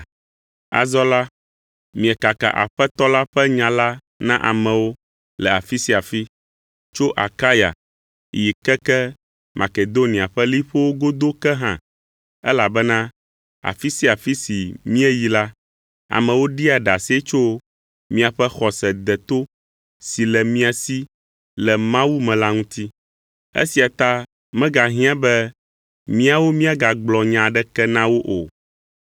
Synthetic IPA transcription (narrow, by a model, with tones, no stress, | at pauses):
a̰˨zɔ˦la˦ | mĩ˨ɛ˨ka˨ka̰˨ʔa̰˨ɸɛ˦t̪ɔ˦la˦ɸɛ˦ɲã˨la˦ | nã˦ʔa̰˨mɛ̃˨wo˦ | lɛ˨a˨fi˦si˦a˨fi˦ | t͡ʃo˦ʔa̰˨ka˦ja̰˨ | ji˨kɛ˦kɛ˦ | mʔa̰˨ke˨d̪o˦nĩ˨a˨ɸɛ˦li˦ɸo˦wo˦ɡo˦d̪o˦kɛ˦ɦã̰˨ | ɛ˦la˨bɛ˦nã˦ | a̰˨fi˦si˦a˨fi˦si˨mĩ˦ɛ˦ji˦la˦ | a̰˨mɛ̃˨wo˦ɖi˦a˨ɖa˨si˦e˦t͡ʃo˦ | mĩ˦a˨ɸɛ˦xɔ˨sɛ˨d̪ɛ˨t̪o˦ | si˨lɛ˨mĩ˦a˨si˦ | lɛ˨mã˦wu˦mɛ̃˨la˦ŋũ˦t̪i˦ | ḛ˦si˨a˨t̪a˦ | mɛ̃˦ɡa˨ɦĩ˦ã˦bɛ˦ | mĩ˦a˨wo˦mĩ˦a˦ɡa˨ɡ͡blɔ˨ɲã˨ɖɛ˦kɛ˦nã˦wo˦ʔo˨